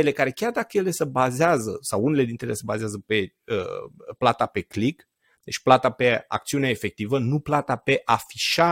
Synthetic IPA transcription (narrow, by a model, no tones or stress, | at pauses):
ele̞kaɾe̞kʲard̪akəjele̞səbazeazəsawunele̞d̪int̪ɾeelesəbazeazəpe̞ | ə̰plat̪ape̞klik | d̪̥e̞t͡ʃʲplat̪ape̞a̰k̚t̪siuneaefe̞k̚t̪ivənuplat̪ape̞ʔafiʃa